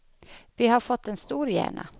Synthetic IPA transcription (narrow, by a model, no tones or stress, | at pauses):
vɪhaɾfɔt̪ːɛnst̪uːɾjæ̰ːɳa̰